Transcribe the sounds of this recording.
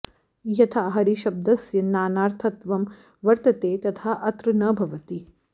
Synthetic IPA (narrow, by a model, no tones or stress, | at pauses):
jɐt̪ʰaɦɐɾiʃɐb̚d̪ɐsjɐnaːnaːɾt̪ʰɐt̪ʋɐm | ʋɐɾt̪ɐt̪eːt̪ɐt̪ʰaːʔɐt̪ɾɨnɐːbʱɐʋɐt̪i